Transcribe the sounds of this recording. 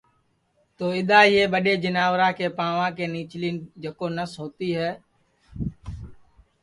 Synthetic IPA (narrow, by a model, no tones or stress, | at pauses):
t̪oːɪɗ̪aːɪɦeːɓəɗeːd͡ʒənaːʋɾãːkeːpãːʋãːkeːniːt͡ʃliːnd͡ʒeːkoːnəsɦoːt̪iːɦɛː